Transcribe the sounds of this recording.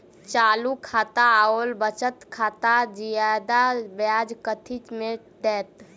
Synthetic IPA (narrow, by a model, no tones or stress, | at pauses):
t͡ʃaːlukʰaːt̪aoːlbət͡ʃət̪kʰaːt̪ad͡ʒijad̪abjaːd͡ʒkət̪ʰit͡ʃme | t̪ɛːt̪